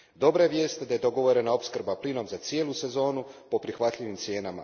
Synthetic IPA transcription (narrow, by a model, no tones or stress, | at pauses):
d̪o̞bɾajeʋje̞ːst̪ed̪aje̞d̪o̞ɡo̞ʋo̞ɾenao̞pskrɾbaplino̞mzat̪sije̞ːlˠuse̞zo̞ːnupo̞pɾixʋat̪ʎʲiʋimt̪sje̞ːnama̰